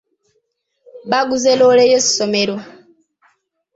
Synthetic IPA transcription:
βaɡuzelolejesi̥someɾo

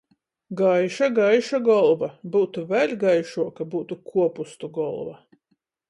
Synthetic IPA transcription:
ɡajʃaɡajʃaɡɔlˠvabuːt̪uvɛlʲɡajʃuɔkabuːt̪ukʰuɔpust̪uɡɔlˠva̰

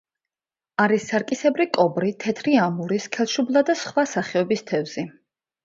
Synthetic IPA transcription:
aɾisːaɾkʼisɛbɾikʼɔbɾit̪ʰɛt̪ʰɾiamuɾiskʰɛlˠʃublˠad̪asχwasaχɛɔbist̪ʰɛvz̥i

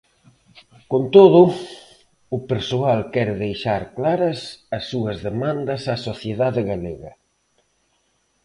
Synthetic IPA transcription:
kont̪oðʊ | ʊpeɾsoalkɛɾɪðejʃaɾklaɾɐsɐsːuɐzðemãnd̪ɐsasoθjeðaðɪɣaleɣɐ̰

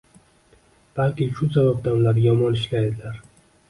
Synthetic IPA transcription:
b̥alkʲiʃʊsabab̚d̪aʊnlaɾjɒmɒnɪʃlajd̪ɪlaɾ

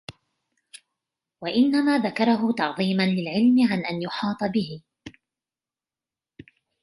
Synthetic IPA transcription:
waʔɪnːamaːðakɑɾˤɑɦʊt̪ɑʕðˤiːmanlɪlʕɪlmɪʕanʔanjʊħɑːt̪ˤɑbɪhɪ

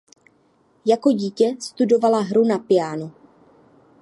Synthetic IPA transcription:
jako̞ɟiːcɛst̪udo̞valaɦɾunapɪjaːnu

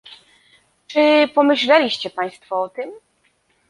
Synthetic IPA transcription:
t͡ʂɘpɔmɘɕlɛlʲiɕt͡ɕɛpaj̃st̪fuɔt̪ɘm

